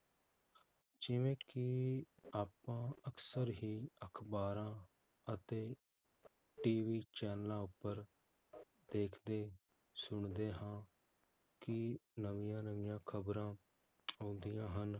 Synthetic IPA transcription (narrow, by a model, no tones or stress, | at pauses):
d͡ʒɪʋẽːkɪaːpãːəksəɾɦiːəkʰbaːɾãː | ət̪eː | ʈiːʋiːt͡ʃɛːnlãːʊpːəɾ | d̪eːkʰd̪eː | sʊɳd̪eːɦãː | kɪnəʋɪjãːnəʋɪjãːkʰəbɾãː | õːnd̪ijãːɦən